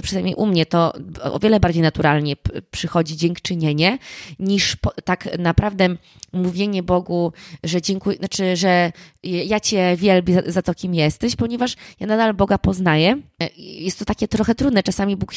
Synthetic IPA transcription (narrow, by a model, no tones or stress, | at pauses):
pʂɨzajmʲḛjʔumɲɛt̪ɔɔ̰vjɛlɛbaɾd͡ʑejnat̪uɾalɲɛpʂɘxɔd͡ʑid͡ʑɛŋkt͡ʂɘɲɛɲɛɲiʂpɔt̪aknapɾavd̪ɛ | muvʲjeɲɛbɔɡuʐɛd͡ʑɛŋkujnat͡ʂɘʐɛ | jat͡ɕɛvʲjɛlbʲizat̪ɔkʲimjɛst̪ɛɕpɔɲɛvaʂjanad̪albɔɡapɔznajɛjɛst̪ːɔt̪akʲɛt̪ɾɔxɛt̪ɾud̪nɛt͡ʂasamʲibuk